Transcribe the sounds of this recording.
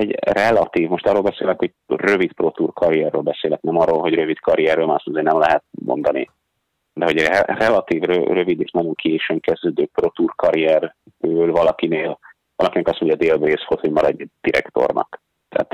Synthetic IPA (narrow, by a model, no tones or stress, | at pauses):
ɛɟrɛlɒt̪iːvmo̞ʃt̪ɒrːolbɛseːlɛkhoɟ̚ | rø̞vit̪pro̞t̪urkʰɒɾijɛrːøːlbɛseːlɛk̚nɛmɒrːoːlɦo̞ɟrø̞vit̪kʰɒɾijɛrːøːlmaːɾɒst̪ɒzeːrnɛmlɛɦɛt̪̚mo̞̰nd̪ɒnḭ | d̪ɛɦo̞ɟrɛlɒt̪iːvrø̰rø̞vid̪eːʃnɒjo̞ŋkʰeːʃøŋkɛzd̪øːd̪øːprot̪urkɒɾijɛr | ølvɒlɒkineːl | vɒlɒkinɛkɒsmoɲɟɒd̪eːlbreːsfot̪homɒɾɒɟd̪̥iɾɛ̰kt̪o̞̰rnɒ̰k | t̪ɛ̰ɦa̰t̪